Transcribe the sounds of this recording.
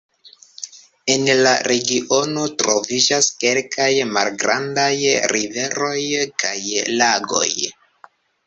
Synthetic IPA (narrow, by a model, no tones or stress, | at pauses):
e̞nlaɾʔe̞ɡiʔo̞no̞tɾo̞vid͡ʒaske̞lkʰajmalɡɾandajɾive̞ɾo̞jkajlaɡo̞̰j